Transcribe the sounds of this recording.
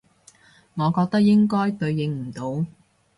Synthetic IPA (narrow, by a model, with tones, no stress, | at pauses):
ŋɔː˨˧kɔː˧k̚t̪ɐ˥k̚jɪ˥ŋkɔː˥jt̪ɵ˧ɥjɪ˨˧ŋm̩˨˩t̪o˨˧w